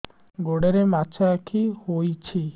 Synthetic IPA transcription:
ɡoɽeɾemat͡ʃʰakʰihojt͡ʃʰi

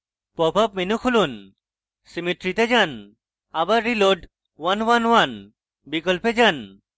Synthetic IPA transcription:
pɔbʱap̚menukʰulun | simiʈɾit̪ed͡ʒan | abaɾːiloɖ | wanwanwan | bikɔlped͡ʒan

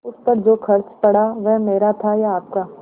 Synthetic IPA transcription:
ʊspɐɾd͡ʒoːkʰɐɾt͡ʃpɐɽ̤aʋɛɦmeːɾat̪ʰajaːp̚ka

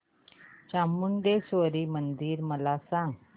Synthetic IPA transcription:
t͡ɕamːuɳɖ̪esʋəɾiːmənd̪iːɾməlasãŋɡ

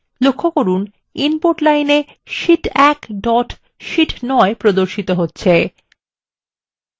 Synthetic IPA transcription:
lokʰːokoɾun | inpoɾʈlajne | ʃiʈɛkɖɔʈ | ʃiʈnɔepɾod̪oɾʃit̪oɦotːɕʰe

